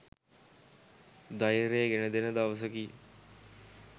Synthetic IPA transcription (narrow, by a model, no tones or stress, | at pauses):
d̪ajɾeːɡenəd̪enəd̪aʋəs̬əki